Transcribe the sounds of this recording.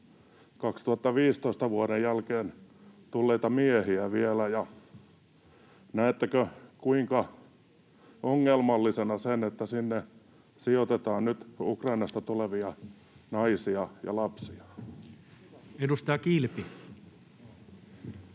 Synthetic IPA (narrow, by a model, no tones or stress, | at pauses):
kɑkst̪uhɑt̪ːɑʋiːst̪oist̪ɑʋuoɾejjælkeːnt̪ulːeit̪ɑmiehiæʋielæjɑ | næet̪ːækøkuiŋkɑ | oŋːelmɑlːisenɑsenet̪ːæsinːe | siot̪et̪ɑːnnyt̪ukrɑinɑst̪ɑt̪uleʋiɑ | nɑisiɑjɑ̰lɑpsiɑ̥ | edust̪ɑjɑkilpi